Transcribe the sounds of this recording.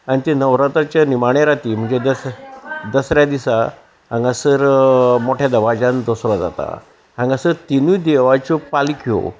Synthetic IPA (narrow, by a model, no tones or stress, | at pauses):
añit̪enəʋɾat̪at͡ɕjanimaɽ̃eɾat̪iːm̤əɳd͡zed̪ə | d̪əsɾjad̪isa | ɦãŋɡasəɾmoʈʰjad̪əʋad͡ʑãnd̪ɔsɾɔd͡za̰t̪a̰ | ãŋɡasəɾt̪inuːd̪eʋat͡ɕɔpalikʰijo̰